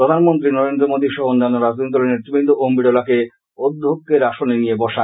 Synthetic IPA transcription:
pɾod̪ʱanmont̪ɾinɔɾend̪ɾomod̪iʃɔɦoonːanːoɾad͡ʑd̪onit̪ɔleneɾt̪ɾubind̪ʱoʔombiɖɔlake | od̪ʱːokːeɾaʃonenijebɔʃa

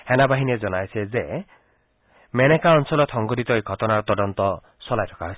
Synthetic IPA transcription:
henabaɦinied͡ʒɔnajsʰed͡ʒe | menekaɔnsɔlɔt̪ʰɔŋɡɔɾit̪ɔiɡʱɔt̪ɔnaɾɔt̪ɔdɔnt̪ɔ | sɔlajt̪ʰɔ̥kaɦɔjsi̥

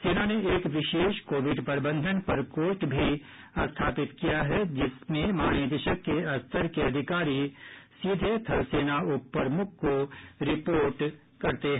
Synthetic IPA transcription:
seːnaneʔeːkʋɪʃeːʃkoːʋɪɖpɾbə̃nd̪ʱənpɐɾkoːsʈbʱi | ɐst̪ʰaːpɪt̪kijaɦɛd͡ʒɪsmẽmaːñjed̪ɪʃəkːeɐst̪əɾkeɐd̪ʱɪkaːɾisid̪ʱet̪ʰɐlseːnaʊpːəɾmʊk̚ʰkoɾɪpoːɾʈ | kɐɾt̪eɦ

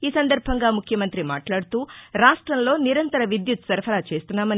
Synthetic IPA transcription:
iːsɐnd̪ɐɾbʱɐŋɡaːmukʰjɐmɐnt̪ɾima̰ːʈlaːɽut̪uːɾaːʂʈɾɐmlo̞ːniɾɐnt̪ɐɾɐʋid̪jut̪sɐɾpʰɐlaːt͡ʃe̞ːst̪unːaːmɐni

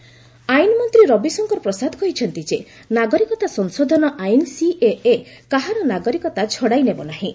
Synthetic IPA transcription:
ajinɔmɔnt̪ɾiɾɔbisɔŋkɔɾɔpɾɔsad̪ʱɔkɔɦit͡ʃʰɔnt̪id͡ʒe | naɡɔɾikɔt̪asɔnsod̪ʱɔnɔʔajnsiʔeʔekaɦaɾɔnaɡɔɾikɔt̪at͡ʃʰɔɽajnebɔnaɦĩ

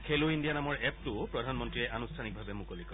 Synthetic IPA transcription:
kʰeluindijanamɔɹɛptʊppɹɔdʱanmɔntɹiɛʔanustʰanik̚bʱabɛmukolikɔ

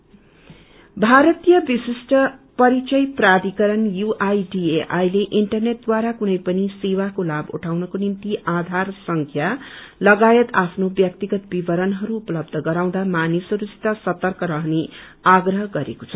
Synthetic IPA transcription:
bʱaɾʌt̪ijʌbisisʈʌpʌɾit͡sʌjprad̪ikʌɾʌnjuʔajɖieʔajleʔiɳʈʌrneʈ̚d̪waɾakunʌjpʌnisewakolabṵʈʰawnʌkonimt̪iʔad̪ʱarsʌŋkʰjalʌɡajet̪apʰnobjʌkt̪iɡʌt̪bibʌɾʌnɦʌɾuːpʌlʌb̚d̪ʱʌɡʌɾaw̃d̪amanisʌɾusi̥t̪asʌt̪ʌrkʌɾʌɦne | aɡrʌɦʌɡʌɾḛko̥t͡sʰʌ

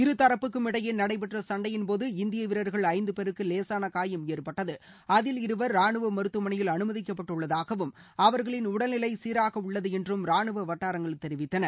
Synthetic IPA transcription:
ɪɾɯt̪ːɐɾɐpːɯkːɯmɪɽɐjɪnɐɽɐɪp̬ɛʈrɐsɐɳɖɐjɪnpoːðɯɪnd̪ɪjɐʋɪɾɐɾɣɐɭɐɪnd̪ɯpɛɾɯkːɯleːsaːnɐkaːjɐmjeːɾpɐʈːɐðɯ | ɐðɪlɪɾɯʋɐɾːaːɳɯʋɐmɐɾɯt̪ːɯmɐɳɐjɪlɐnɯmɐðɪk̬ːɐpːɐʈːɯɭːɐðaːɣɐʋɯm | ɐʋɐɾɣɐɭɪnʊɽɐlnɪlɐɪsiːɾaːɣɐʊɭːɐðɯɛndrɯmɾaːɳɯʋɐʋɐʈːaːɾɐŋɡɐɭt̪ːɛɾɪʋɪt̪ːɐnɐɾ

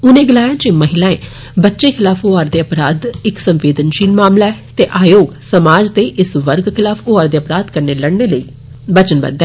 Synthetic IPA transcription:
ʊnẽːɡɪlaːjãːt͡ʃeməɦɪlaːḛ̃ː | bətːʃeːkʰɪlaːfʰoaːɾd̪eːəpɾaːd̪ɪksəmʋeːd̪ənʃiːlmaːmlaːɛːt̪eːʔaːjoːɡsəmaːd͡ʒt̪eːʔɪsʋəɾɡkʰɪlaːpʰʊaːɾd̪eːəpɾaːd̪kəɾneːləɽneːləiː | bət͡ʃənbə̰nd̪ɛː

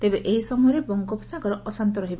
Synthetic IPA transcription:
t̪ebeʔeɦisɔmɔjɔɾebɔŋkopʰsakɔɾɔʔɔsant̪ɔɾɔɦiba

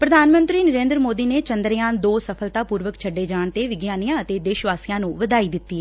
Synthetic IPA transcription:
pɾəd̪ʱaːnmənt̪ɾiːnəɾẽːnd̪ɾmoːd̪iːneːt͡ʃənd̪ɾjãːnd̪oːsəpʰəlt̪aːpuːɾʋəkt͡ʃʰəɖːeːd͡ʒaːɳt̪eːʋɪɡjaːnijãːət̪eːd̪eːʃʋaːsijãːnũːʋəd̪aːiːd̪ɪt̪ːi

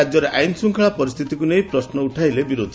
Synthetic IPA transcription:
ad͡ʒjɔɾeajnsuŋkʰaɭapɔɾist̪ʰit̪ikunejpɾɔsnɔuʈʰajlebiɾod̪ʱi

